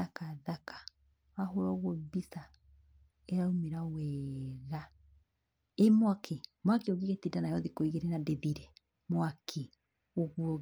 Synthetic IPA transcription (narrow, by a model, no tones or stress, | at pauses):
akaðakḁ | waɦoɾɔɣobisa | ɛɾaumeɾawɛːɾa | emwakʰemwakeoɣiɣetidanajɔðikɔiɣeɾɛnadeðiɾɛ | mwakʰe | oɣuɾɔ